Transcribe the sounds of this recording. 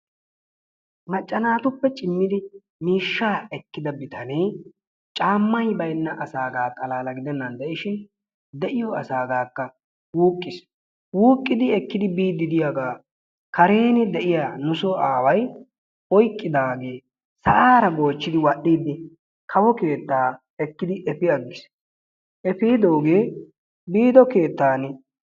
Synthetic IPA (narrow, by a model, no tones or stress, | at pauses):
mɐt͡ʃʼːɐnaːt̪ʊpːɛt͡ʃʼɪmːɪd̪ɪ | miːʃːaːɛkːɪd̪ɐbɪt̪ɐnej | t͡ʃʼaːmːɐjbɐjnːɐʔɐsaːɡaːt̪ʼɐlaːlɐɡɪd̪ɛnːɐnd̪ɛʔɪʃɪn | d̪ɛʔɪjɔɐsaːɡaːkːɐ | wuːkʼːɪs | wuːkʼːɪd̪ɪɛkːɪd̪ɪbiːd̪ːɪd̪ɪjaɡaː | kɐɾe̞ːnɪd̪ɛʔɪjaːnʊsɔaːwɐj | ɔjkʼːɪd̪aːɡe̞ː | sɐʔaːɾɐɡo̞ːt͡ʃːɪd̪ɪwɐɗːiːd̪ːɪ | kʰɐwɔke̞ːt̪ːaː | ɛkːɪd̪ɪʔɛfɪɐɡːɪs | ʔɛfiːd̪o̞ːɡe̞ː | biːd̪ɔke̞ːt̪ːaːnɪ